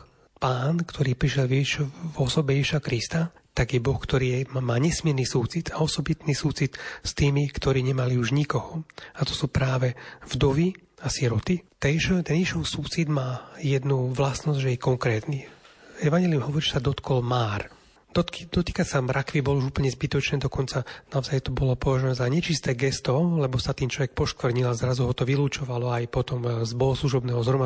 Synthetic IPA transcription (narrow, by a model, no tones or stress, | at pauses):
paːnkt̪ʰɔɾiːpɾiʃjɛlʋɛʃvɔsɔbɛjɛʒiʃakɾist̪a | t̪aɡjɛbɔxkt̪ɔɾiːɛmaːɲɛsmɪɛɾnisuːt͡sit̪aɔsɔbit̪niːsuːt͡sit̪st̪iːmikt̪ɔɾiːɲɛmaliuʒɲikɔhɔat̪ɔ̥suːpɾaːʋɛvd̪ɔʋiasiɾɔt̪it̪ɛʃɔt̪ɛniʃɔsuːt͡sid̪maːjɛd̪nuʋlasnɔzʒɛjɛkɔŋkɾɛːt̪niɛʋaɲɛliumɦɔʋɔɾiʒɛsad̪ɔt̪kɔlmaːɾ | d̪̥ɔt̪kid̪ɔt̪iːkasamɾʔakʋibɔlɔuʒuːpl̩ɲɛzbit̪ɔt͡ʃnɛːd̪ɔkɔnt͡sanaɔzajt̪ɔbɔlɔpɔʋaʒɔɛzaɲɛt͡ʃist̪ɛːɡɛst̪ɔlɛbɔsat̪iːnt͡ʃlɔʋɛk̚pɔʃk̪ʋr̩ɲilazɾazuɦɔt̪ɔʋiluːt͡ʃɔʋalɔajpɔt̪ɔmzbɔɦɔsluʒɔbnɛːɦɔzɦɾɔma